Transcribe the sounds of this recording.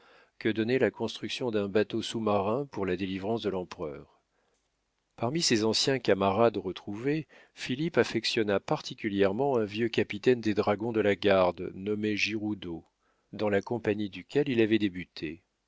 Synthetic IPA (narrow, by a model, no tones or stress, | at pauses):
kəd̪ɔnɛlakɔ̃st̪χyksjɔ̃d̪ɛ̃bat̪osumaʁɛ̃puʁlad̪elivʁɑ̃sd̪əlɑ̃pχœːʁ | paʁmisezɑ̃sjɛ̃kamaʁad̪ʁət̪χuve | filipafɛksjɔnapaʁt̪ʰikʲyljɛʁmɑ̃ɛ̃vjøkʲapit̪ɛnd̪ed̪ʁaɡɔ̃d̪əlaɡaʁd̪nɔmeʒiʁud̪o | d̪ɑ̃lakɔ̃paɲid̪ykʲɛlilavɛd̪ebyt̪ʰe